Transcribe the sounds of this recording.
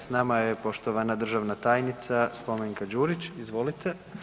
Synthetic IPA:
snamajepo̞ʃt̪oʋanad̪r̩ʒaʋnat̪aːjnit̪saspomeŋkad͡ʒuːɾit͡ɕizʋo̞lit̪ʰe

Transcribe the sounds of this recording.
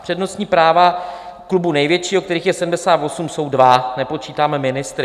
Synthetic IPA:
pr̥ɛdno̞st̪ɲiːpɾaːvaklubunɛjvjɛt͡ʃiːokt̪ɛɾiːxjɛsɛdm̩dɛsaːt̪vo̞sumso̞wdvanɛpo̞t͡ʃiːt̪aːmɛmɪnɪst̪ɾ

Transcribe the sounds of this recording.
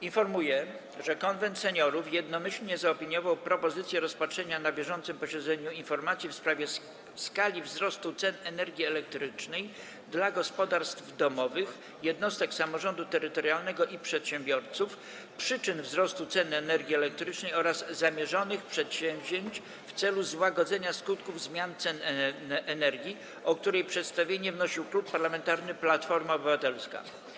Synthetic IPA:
infɔɾmujɛ | ʐɛkɔnvɛnt̪sɛɲɔɾufjɛd̪nɔmɘɕlɲɛzaɔpʲiɲjɔvawpɾɔpɔzɘt̪sʲjɛɾɔspatʂɛɲanabʲjɛʐɔnt̪sɘmpɔɕɛd̪zɛɲuinfɔɾmat̪sʲjifspɾavʲjɛ | skalʲivzɾɔst̪ut̪sɛnɛnɛɾɡʲiɛlɛk̚t̪ɾɘt͡ʂnɛj | d̪laɡɔspɔd̪aɾst̪vd̪ɔmɔvɘx | jɛd̪nɔst̪ɛksamɔʐɔnd̪ut̪ɛɾɘt̪ɔɾjalnɛɡɔʔipʂɛt̪ɕɛmbʲjɔɾt̪suf | pʂɘt͡ʂɘnvzɾɔst̪ut̪sɛnɛnɛɾɡʲiɛlɛk̚t̪ɾɘt͡ʂnɛjɔɾazːamʲjɛʐɔnɘxpʂɛt̪ɕɛ̃w̃ʑeɲt͡ɕ | ft̪sɛluzwaɡɔd̪zɛɲaskut̪kuvzmʲjant̪sɛnnʔɛnɛɾɡʲji | ɔk̚t̪uɾɛjpʂɛt̪st̪avʲjeɲɛvnɔɕiwklupːaɾlamɛnt̪aɾnɘplat̪fɔɾmaɔbɘvat̪ɛlska̰

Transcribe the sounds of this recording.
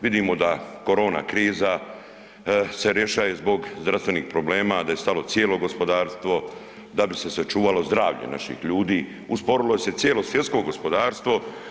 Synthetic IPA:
ʋid̪iːmo̞d̪ako̞ɾo̞ːna̰kɾiːza | se̞ɾjeʃajezbo̞ɡzd̪ɾafst̪ʋe̞nixpɾo̞bleːmad̪aje̞st̪alo̞t̪sjeːlo̞ɡo̞spo̞d̪aːɾst̪ʋo̞ | d̪abise̞sat͡ʃuːʋalo̞zd̪ɾaːʋʎḛna̰ʃḭxʎuːd̪iː | uspo̞ɾiloje̞se̞t̪sjeːlo̞sʋjet̪ko̞ɡospo̞d̪aːɾst̪ʋo̞

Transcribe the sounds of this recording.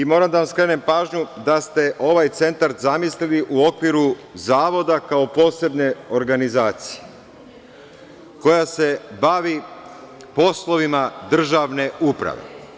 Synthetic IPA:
imo̞ːɾamd̪aʋamskɾe̞ːne̞mpaːʒɲud̪ast̪e̞ʔo̞ʋajt̪se̞nt̪aɾt̪zamisliliʔuo̞kʋiɾuzaːʋo̞d̪akao̞po̞ːse̞bne̞o̞ɾɡanizaːt̪sije | ko̞jase̞baʋi | po̞slˠo̞ʋimad̪r̩ʒaʋne̞upɾa̰ʋḛ

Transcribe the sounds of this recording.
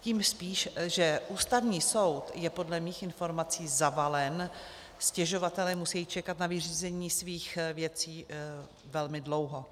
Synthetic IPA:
ciːmspiːʃʒɛʔuːst̪avɲiːso̞wt̪jɛpo̞dlɛmiːxʔɪnfo̞ɾmat͡siːzavalɛn | scɛʒo̞vat̪ɛlɛːmusɛjiːt͡ʃɛkat̪navɪriːzɛɲiːsviːxvjɛt͡siː | vɛlmɪdlo̞wɦo̞

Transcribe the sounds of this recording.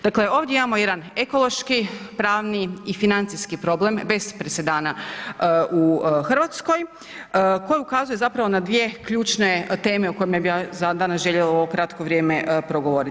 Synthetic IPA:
d̪̥akle̞o̞ːʋd̪je̞imamo̞jed̪ane̞ko̞lˠo̞ʃkipɾaːʋniifinant̪siskipɾo̞ble̞mbe̞spɾesed̪aːna | uxr̩ʋat̪sko̞j | ko̞jeukazuje̞zapɾaʋo̞nad̪ʋije̞kʎuːt͡ʃne̞t̪e̞ːme̞uko̞jemjebijazad̪aːnasʒe̞ʎelao̞ʋokɾat̪koʋɾʲjeːme̞pɾo̞ɡo̞ʋo̞ɾi

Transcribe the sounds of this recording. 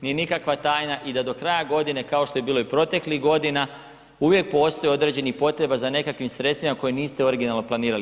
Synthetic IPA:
nije̞nikakʋat̪aːjnaʔid̪ad̪o̞kɾajaɡo̞d̪ine̞kao̞ʃt̪o̞je̞biːloipɾo̞t̪e̞kliɣɡo̞d̪ina | uʋje̞k̚po̞ːst̪o̞jeod̪ɾe̞ːd͡ʑe̞nixpo̞t̪ɾe̞bazane̞kakʋimsɾet̪st̪ʋimako̞jeniːst̪eo̞ɾiɡinalˠnoplˠaniːɾali

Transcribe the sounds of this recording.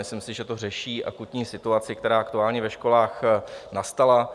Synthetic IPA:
mɪslɪmsɪʒɛt̪or̝ɛʃiːʔa̰kut̪ɲiːsɪt̪uat͡sɪk̚t̪ɛɾaːʔakt̪uaːlɲɛvɛʃko̞laːxnast̪ala

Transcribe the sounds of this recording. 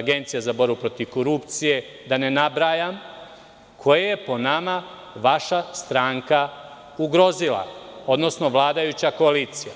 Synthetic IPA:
ɡe̞nt̪sijazabo̞ɾbupɾo̞t̪iʋko̞ɾupt̪sije̞ | d̪ane̞nabɾaːjam | kʰo̞jajepo̞nama | ʋaʃast̪ɾaːŋka | uɡɾo̞zilˠa̰o̞d̪no̞sno̞ʋlˠaːd̪ajut͡ɕako̞aliːt̪sija

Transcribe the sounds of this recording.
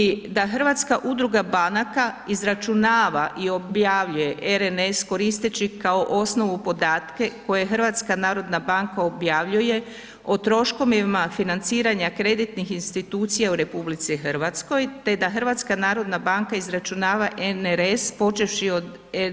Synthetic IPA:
id̪axr̩ʋat̪skaʔud̪ɾuɡabanakaizɾat͡ʃunaːʋaʔio̞bjaʋʎuje̞ʔeɾenesko̞ɾist̪et͡ɕikao̞ʔo̞sno̞ʋupo̞d̪aːt̪ke̞ko̞je̞xrʋat̪skanaːɾo̞d̪nabaŋkao̞bjaːʋʎuje̞ | ot̪ɾo̞ʃko̞mimafinant̪siːɾaɲakɾe̞d̪it̪nixinst̪it̪uːt̪sijauɾe̞publit̪sixr̩ʋat̪sko̞jt̪e̞d̪axɾ̩ʋat̪skanaːɾo̞d̪nabaŋkaizɾat͡ʃunaːʋaʔeneɾespo̞t͡ʃe̞fʃio̞d̪

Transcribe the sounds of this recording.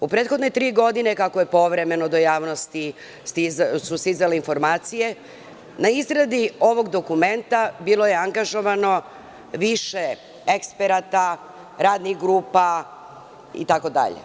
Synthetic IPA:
upɾeːt̪xo̞d̪net̪ɾiːɡo̞d̪ine̞kakoje̞po̞ʋɾe̞me̞nod̪ojaːʋno̞st̪i | st̪izsusizaleinfo̞ɾmaːt̪sije̞ | naizɾad̪io̞ʋo̞ɡd̪o̞kume̞nt̪abilˠo̞jeaŋɡaʒo̞ʋano̞ | ʋiʃe | ekspeɾat̪a | ɾaːd̪nixɡɾuːpa | ḭt̪ako̞d̪a̰ʎḛ

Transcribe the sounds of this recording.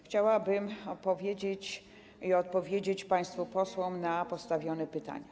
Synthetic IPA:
xt͡ɕawabɘmɔpɔvʲjed͡ʑet͡ɕ | iɔt̪̚pɔvʲjed͡ʑet͡ɕpaj̃st̪fupɔswɔmnapɔst̪avʲjɔnɛpɘt̪a̰ɲa

